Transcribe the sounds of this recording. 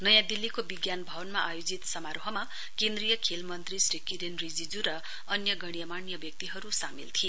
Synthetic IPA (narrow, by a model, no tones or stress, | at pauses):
nʌjãd̪ilːikobiɡjanbʱʌwʌnmaʔajod͡zit̪sʌmaɾoɦʌma | kend̪rijʌkʰelmʌnt̪risrikiɾenrid͡zid͡zuɾʌ | ʌnjʌɡʌɽ̃ijʌmanjʌbjʌk̚t̪iɦʌɾusamḭlt̪ʰi